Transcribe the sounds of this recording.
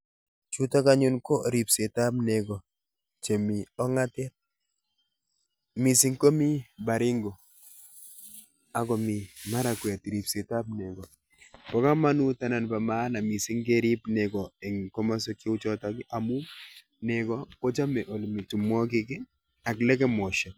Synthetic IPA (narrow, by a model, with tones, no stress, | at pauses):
t͡ʃu˦ta˦ka˦ɲu˦nko˦ɾi˨pse˨ta˦pne˨ɡɔ˨ | t͡ʃe˨mi˨ɔ˦ŋa˦tɛ˦t̚ | mi˨si˦ŋkɔ˦mi˦ba˨ɾɪ˦ŋɡo˨ | a˨kɔ˨mi˨ma˦ɾa˨kwɛ˨tɾi˨pse˨ta˦pnɛ˨ɡɔ˨ | pɔ˨˦ka˦ma˦nu˦ta˦na˨npa˨ma˦na˨mi˨si˦ŋke˦ɾi˦pnɛ˨kɔ˨ɛ˨ŋkɔ˦ma˦sɔ˦ki˦u˦t͡ʃɔ˦tɔ˦kɪ˦ʔa˨mu˦ | ne˨kɔ˦ko˦t͡ʃa˦mɛ˨ʔo˨lmi˨tu˨mwɔ˦k̬ɪ˦kɪ˦ | a˨klɛ˦kɛ˦mɔ˨ʃa˨